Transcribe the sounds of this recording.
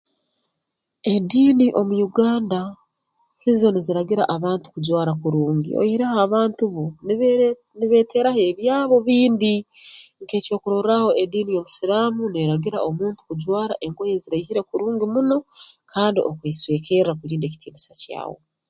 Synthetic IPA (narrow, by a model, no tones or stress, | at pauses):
e̞diːniʔo̞mujuɡaːnda | hizo̞niziɾaɡiɾaʔaβaːntu̥kuɟwaːɾakuɾuːŋɡḭo̰jiɾahːβaːntuβo | niβe̞ːtʰe̞ɾahe̞βjaːβo̞βiːndiŋke̞ːco̞ːkuɾoraho̞ʔediːnijo̞musiɾaːmuneɾaɡiɾa̰ʔo̞muːntu̥kuɟwaːɾa̰ʔe̞ŋkoje̞ziɾaihiɾe̞kuɾuːŋɡimuno̞kʰaːndiʔo̞kweːsweːkʰerakuɾiːnde̞ci̥tʰiːnisaca̰ːwo̞̰